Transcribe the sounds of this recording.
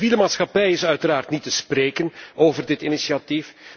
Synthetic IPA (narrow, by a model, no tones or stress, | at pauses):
viːləmaːtsxɑpɛjɪsœɥtəɾaːrtnitəspreːkənoːvərdɪtinisiatif